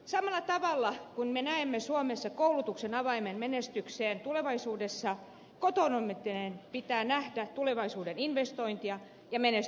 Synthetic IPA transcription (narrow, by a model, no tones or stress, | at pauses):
sɑmɑlːˑɑt̪ɑʋɑlːɑkunmenæemːesuomesːɑkoulut̪uksenɑʋɑimenmenest̪ykseːnt̪uleʋɑisuːdesːɑ | kot̪onomet̪ːinenpit̪æːnæhdæt̪uleʋɑisuːdeninʋest̪oint̪iɑ | jɑmenes